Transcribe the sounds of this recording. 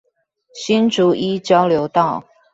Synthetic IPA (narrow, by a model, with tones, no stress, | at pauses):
ɕi˥nʈ͡ʂu˨˥ʔi˥t͡ɕjɑ˥ʊljo˧˦ʊt̪ɑ˥˩ʊ